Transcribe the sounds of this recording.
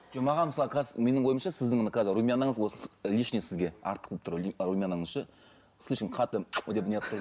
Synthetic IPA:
ʒ̥ɑmɑʁɑnməsɑlˠəqʰɑzme̞nɪŋwo̞jəmʃɑsɪzd̪ɪŋonəqʰɑzɪɾumʲianɑŋəzwo̞səlʲiʃnesɪzɡʲe̞ɑ̰ɾt̪ə̥q̪̚ʲʰlˠpt̪ʰʊɾrumʲianɑɴəzʃə | slˠʲiʃkʲɪnqʰɑt̪əod̪epɪnjɑp̚t̪ʊɾ

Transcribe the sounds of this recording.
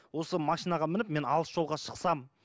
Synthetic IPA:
wo̞səmɑʃijnɑʁɑmɪnɪpme̞nɑlˠəsʒ̥o̞lˠʁɑʃə̥qsɑm

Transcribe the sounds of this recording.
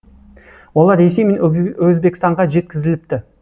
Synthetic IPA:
wo̞lˠɑɾːese̞jme̞nwɵzbekʲɪst̪ɑɴʁɑʒe̞t̪̚kʲɪzɪlɪp̚t̪ɪ

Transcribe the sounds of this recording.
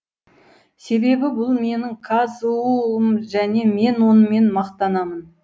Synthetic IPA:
se̞be̞bɪbʊlˠme̞nɪŋkʰɑzuəmʒæne̞me̞nwo̞nəme̞nmɑqt̪ɑnɑmən

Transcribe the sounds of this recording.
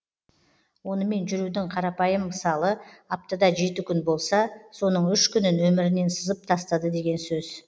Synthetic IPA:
wo̞nəme̞nʒʏɾud̪ɪŋqʰɑɾɑpɑjəmːəsɑlˠəɑp̚t̪əd̪ɑʒe̞t̪ɪkʲʰʏnbo̞lˠsɑso̞nəɴʏʃkʲʏnɪnwɵmɪɾɪne̞nsəzəp̚t̪ʰɑst̪ɑd̪əd̪e̞ɡʲe̞nsɵz̥

